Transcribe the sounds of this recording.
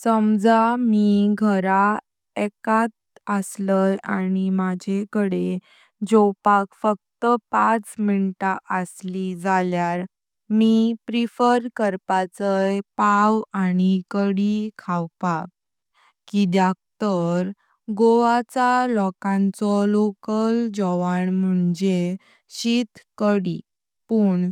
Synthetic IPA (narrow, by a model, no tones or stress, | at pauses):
səmd͡zamiɡʱəɾa | ɛkat̪̚ | əsləjañimad͡ʑʱekəɽe | d͡ʑɔwpakfək̚t̪əpãt͡sminʈaʔəslid͡zaljaɾ | mipɾifəɾkəɾpat͡səjpawañikəɽikʰawpak | kid̪jak̚t̪əɾ | ɡoʋat͡salɔkãnt͡sɔlokəld͡ʑɔʋaɳm̤əɳd͡ze | ɕit̪kəɽi | pəːɳ